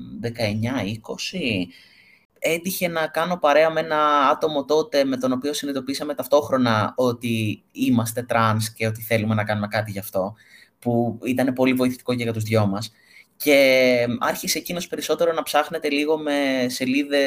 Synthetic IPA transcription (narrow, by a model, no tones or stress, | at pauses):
ðe̞kɐe̞ɲɐiko̞si | e̞d̪içe̞nɐkɐno̞pɐɾe̞ɐme̞nɐɐt̪o̞mo̞t̪o̞t̪e̞me̞t̪o̞no̞pio̞sinit̪o̞pisɐme̞t̪ɐft̪o̞xɾo̞nɐo̞t̪i | imɐst̪e̞t̪ɾɐnsce̞o̞t̪iθe̞lume̞nɐkɐnume̞kɐt̪̬iʝɐft̪o̞ | puit̪ɐne̞po̞livo̞iθi̥t̪i̥ko̞ceɣɐt̪uzðʝo̞mɐs | ce̞ɐɾçisecino̞spe̞ɾiso̞t̪e̞ɾo̞nɐpsɐxne̞t̪e̞liɣo̞me̞se̞liðe̞